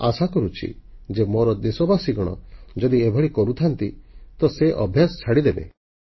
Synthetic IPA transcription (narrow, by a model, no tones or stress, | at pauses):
asakɔɾut͡ʃʰḭ | d͡ʒemoɾɔd̪esɔbasiɡɔɽ̃ɔ̰d͡ʒɔd̪iebʱɔɽikɔɾut̪ʰant̪it̪ɔseʔɔ̰bʱjasɔ̥t͡ʃʰaɽid̪ebḛ